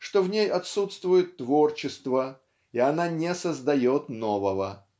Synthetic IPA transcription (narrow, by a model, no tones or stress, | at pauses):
ʂt̪ovnʲejɐt̪sut̪st̪vʊjɪt̪ːvo̞rt͡ɕɪst̪və | iɐnanʲɪsəzd̪ɐjo̞t̪no̞vəvə